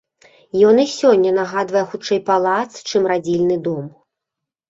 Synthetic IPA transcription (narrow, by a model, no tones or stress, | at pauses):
jɔnisʲɔnʲːɐnaɣad̪vɐjɐxut͡ʂɛjpalˠat̪st͡ʂɨmɾad͡zʲilʲnɨd̪ɔm